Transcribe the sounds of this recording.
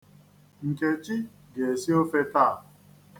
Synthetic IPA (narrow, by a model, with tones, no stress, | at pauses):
ŋ̩˨ke˨t͡ʃi˦ | ɡe˨si˦o˦fe˦ta˦˨